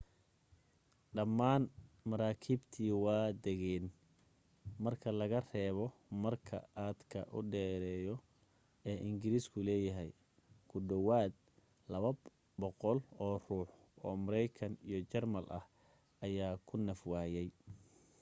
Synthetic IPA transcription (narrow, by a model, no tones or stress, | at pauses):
ɖɐmːaːnmɐɾaːkʰiːbt̪ʰiːwɑːd̪ɛɣɛːn | mɐrkʰɐlɐɣɐrɛːβɔmɐrkʰɐ̰ʔaːd̪kʰɐ̰ʔʊ̰ɖɛːɾɛːjɔ | ɛːʔɪŋɡɪɾiːskʰʊlɛːjɐɦɛj | kʰʊɖɔwaːd̪̚ | lɐβɐ | bɔqɔlɔːr̥uːħ | ɔːmɐɾɛjkʰɐnijɞt͡ʃɛrmɐlʔɐ̰h | ɐjaːkʰʊnɐfwaːjɛj